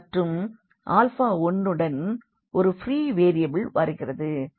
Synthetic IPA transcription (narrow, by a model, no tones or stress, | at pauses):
ʈrɯm | ʔaːlfaːɔnːɯɽɐn | ʔɔɾɯfɪɾiːʋeːɾɪjɐbɪlʋɐɾɯɣɪrɐðɯ